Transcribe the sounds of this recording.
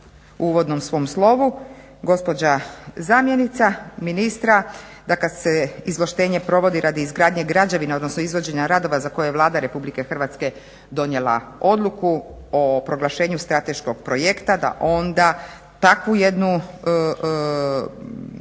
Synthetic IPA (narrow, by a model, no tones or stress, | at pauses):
uʋo̞d̪no̞msʋo̞mslˠo̞ʋu | ɡo̞spo̞d͡ʑazamje̞nit̪saminist̪ɾad̪akad̪seizloʃt̪e̞ːɲe̞pɾo̞ʋo̞d̪iɾʔad̪iːzɡɾaːd̪ɲeɡɾaːd͡ʑaʋineo̞d̪nosnoizʋo̞d͡ʑe̞ɲaɾad̪o̞ʋazako̞jejelˠaːd̪aɾe̞publikexr̩ʋat̪ske̞ | d̪o̞nje̞lˠa̰o̞d̪lˠuku | opɾo̞ɡlˠaʃe̞ːɲust̪ɾat̪e̞ʃko̞ɡ̚pɾo̞jekt̪ad̪a̰ʔo̞nd̪a | t̪akʋuje̞d̪nu